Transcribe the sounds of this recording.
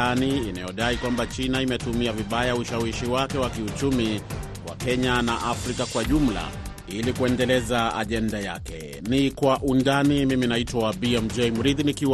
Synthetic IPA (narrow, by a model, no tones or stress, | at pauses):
aniːnajɔɗaikwambat͡ʃinaimɛtumiaviɓajauʃawiʃiwakɛwakiut͡ʃumi | wa̰kɛɲanaʔafɾikakwaʄum̩la̰ | ilikuɛndɛlɛzaa̰ʄɛndajakɛ̰ | nikwaʔundanimiminaitwabiɛmd͡ʒɛjmuɾiðinikiw